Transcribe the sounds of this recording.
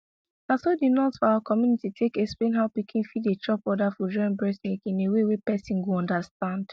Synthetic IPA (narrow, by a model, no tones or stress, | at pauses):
nasodinɔtfɔawakʰɔmjunititʰekɛksplẽnɦaʊpikʰĩnfidet͡ʃɔpɔdafɔd͡ʒɔ̃ɪ̃nbɹɛsnikĩnewewepɛsĩnɡuɔ̃ndastãnd̥